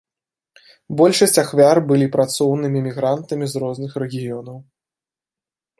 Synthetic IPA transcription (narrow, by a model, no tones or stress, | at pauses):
bɔlʲʂɐsʲt͡sʲaxvʲarbɨlʲipɾat̪sɔwnɨmʲimʲiɣɾant̪ɐmʲizɾɔznɨxɾɛɣʲijɔnɐw